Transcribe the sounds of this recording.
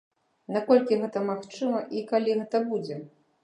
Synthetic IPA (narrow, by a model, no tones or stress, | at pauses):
nakɔlʲkʲiɣɛt̪ɐmaxt͡ʂɨmɐʔikalʲiɣɛt̪ɐbud͡zʲɛ